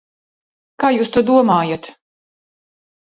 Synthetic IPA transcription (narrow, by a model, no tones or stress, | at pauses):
kaːjuːst̪ud̪uɔmaːjat̪